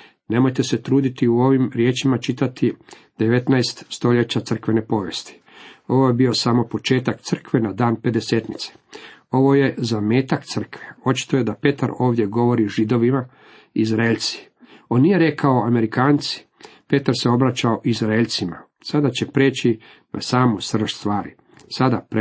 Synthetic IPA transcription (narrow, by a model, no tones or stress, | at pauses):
ne̞mo̞jt̪e̞se̞t̪ɾuːd̪it̪iuo̞ʋimɾje̞ːt͡ʃimat͡ʃit̪at̪i | d̪̥e̞ʋe̞t̪naest̪st̪o̞ʎe̞t͡ɕat̪sɾr̩kʋe̞nepo̞ʋje̞̰st̪i̥ | o̞ʋo̞jebio̞samo̞po̞t͡ʃe̞ːt̪akt̪sr̩kʋe̞nad̪aːnpe̞d̪e̞se̞ːt̪nit̪se̥o̞ʋo̞je̞zame̞ːt̪akt̪sɨr̩kʋeo̞t͡ʃi̥t̪oje̞d̪ape̞t̪aɾo̞ːʋd̪je̞ɡo̞ʋo̞ɾiʒid̪o̞ʋima | izɾeʎt̪si̥ | o̞nːije̞ɾe̞kao̞ame̞ɾikaːnt̪si̥pe̞t̪aɾse̞o̞bɾat͡ɕaoʔizɾaeʎʲt̪sima̰ | sad̪at͡ɕe̞pɾe̞ːt͡ɕi | nʔa̰saːmosr̩ʃst̪ʋaːɾi | sad̪ap